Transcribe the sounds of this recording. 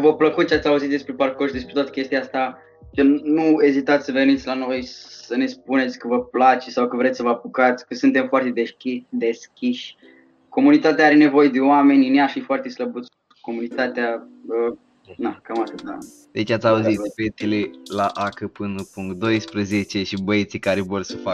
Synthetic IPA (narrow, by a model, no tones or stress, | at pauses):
vəpləkut̪̚t͡ʃeat̪sʲauzit̪d̪espɾe̞parkoʃd̪e̞s̬pɾe̞t̪oat̪ə̥kʲe̞st̪iaast̪a | kənue̞zit̪at̪sʲsəvenit̪sʲlano̞jsəne̞sp̚une̞t̪sʲkəvəplat͡ʃesawkəvɾet̪ʲsəvəapukat̪sʲkəsɨnt̪e̞mfoart̪ed̪ekid̪e̞skʲiʃʲ | ko̞munit̪at̪̬eaaɾe̞ne̞vo̞jed̪e̞oame̞nʲineaʃifoart̪esləbut̪sʲ | ko̞munit̪at̪eaə | nakamat̪ɨd̪a̰ | d̪et͡ʃat̪sʲauzit̪bet̪ilelaʔakəpɨnupuŋkt̪̚d̪o̞jspɾəzet͡ʃe̞ʃibəjet̪sikaɾevorsəfa